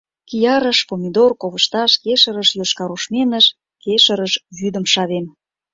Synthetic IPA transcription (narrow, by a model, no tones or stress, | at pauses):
kijɑɾəʃpomʲid̪orkoβəʃt̪ɑʃkeʃəɾəʃjoʃkɑɾuʃmenəʃ | keʃəɾəʃβyd̪əmʃɑβem